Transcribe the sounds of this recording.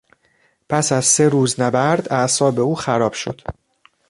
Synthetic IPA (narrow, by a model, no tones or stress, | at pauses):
pʰæsæzse̞ɾuːznæbæɾd̪æʔsɒːbe̞uːxæɾɒːb̥ʃo̞̰d̪̥